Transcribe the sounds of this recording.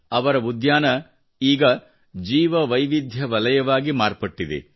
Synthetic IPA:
ɐʋɐɾɐud̪jaːnɐ | iːɡɐ | d͡ʒiːʋɐʋɐjʋid̪ʱjɐʋɐlɐjɐʋaːɡimaːɾpɐʈːid̪ḛ

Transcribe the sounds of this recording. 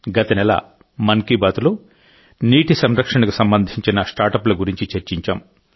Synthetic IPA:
ɡɐt̪ɐnɛlɐ̰ | mɐŋkibaːt̪ulu | niːʈisɐmɾɐkʂɐɳɐkusɐmbɐnd̪ʱiɲt͡ʃinɐsʈaːɾʈɐplɐɡuɾiɲt͡ʃit͡ʃɐɾt͡ʃiɲt͡ʃa̰ːm

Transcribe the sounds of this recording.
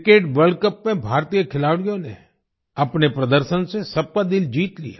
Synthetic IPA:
keːʈʋəɾɖkəpmẽbʱaːɾt̪ijəkʰɪlaːʋɽijõnḛ | əpnepɾəd̪əɾʃənsesɐb̚kad̪ɪld͡ʒiːt̪lḭja̰

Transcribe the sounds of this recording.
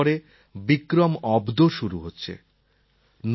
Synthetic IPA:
ɾe | bikɾomɔbd̪oʃuɾuɦotːɕʰḛ | n

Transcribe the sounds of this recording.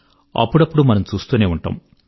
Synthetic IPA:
ɐ̰pːuɽɐpːuɽumːɐnɐmt͡suːst̪uɐneːuɳʈɐ̰ːm

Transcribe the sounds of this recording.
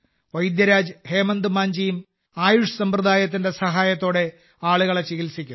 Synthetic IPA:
ʋɐjd̪jɐɾaːd͡ʑɨhe̞ːmɐnd̪ɨmaːɲd͡ʑijum | aːjuʂɨsɐmprɐd̪aːjɐt̪ːinde̞sɐɦaːjɐt̪ːo̞ːɽe̞ | aːɭuɣɐɭet͡ɕiɣilsikʲːu

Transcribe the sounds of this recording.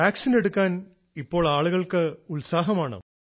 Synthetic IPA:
aːksine̞ɽukːaːn | ipːo̞ːɭaːɭuɣɐɭkɨulsaːɦɐmaːɳɨ̰

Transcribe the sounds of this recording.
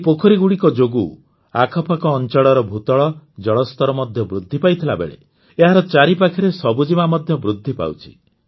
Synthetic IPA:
epokʰɔɾiɡuɽikɔd͡ʒoɡu | akʰɔpʰakɔːnt͡ʃɔɽɔɾɔbʱut̪ɔɭɔd͡ʒɔɭɔst̪ɔɾɔmɔd̪ʱjɔbɾud̪ʱːipajt̪ʰilabḛɭḛ | eɦaɾɔt͡ʃaɾipakʰiɾesɔbud͡ʒimamɔd̪ʱjɔbɾud̪ʱːipa̰wt͡ʃʰi̥̰

